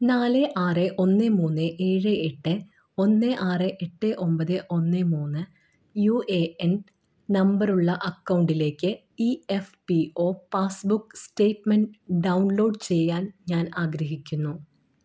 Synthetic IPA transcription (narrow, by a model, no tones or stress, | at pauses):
naːleʔaːrɨʔo̞nːɨmuːnːɨʔeːɻɨeʈːɨ | o̞nːeʔaːrɨʔeʈːɨʔo̞mbɐðɨʔo̞nːɨmuːnːɨ | jueːen | nɐmbɐruɭːɐʔɐkːɐwɳɖile̞ːkʲːɨ | iefpioːpaːsbukːsʈe̞ːʈmɐɳɖɖɐwnlo̞ːɖt͡ɕe̞jːaːnɲaːnaːɡɾɐɦikʲːunːu